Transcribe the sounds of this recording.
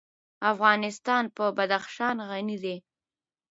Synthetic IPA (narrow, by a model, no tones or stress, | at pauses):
afɣɑnɪst̪ɑnpəbad̪axʃɑnɣanid̪e